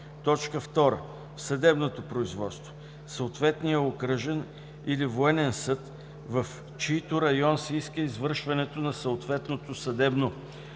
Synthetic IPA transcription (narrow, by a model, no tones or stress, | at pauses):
t̪ɔt͡ʃkəft̪ɔɾə̰ | fsɐd̪ɛbnot̪opɾoizvɔt̪st̪vo̥ | səot̪vɛt̪nijəokɾəʒɛn | ilivoɛnɛnsɤt̪ | vəf | t͡ʃit̪oɾɐjɔnsɛiskəizvɤɾʃvɐnɛt̪onɐsɐot̪vɛt̪not̪osɐd̪ɛbno